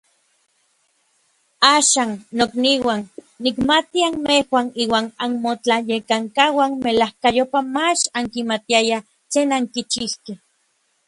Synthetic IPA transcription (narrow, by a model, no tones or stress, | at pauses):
aːʃaːnːokniwanː | ikmat̪ianmehwaniːwaːnanmot͡ɬajekaŋkawanmelahkajopamat͡ʃaŋkimat̪iaja | t͡ɬeːnaŋkit͡ʃihkeh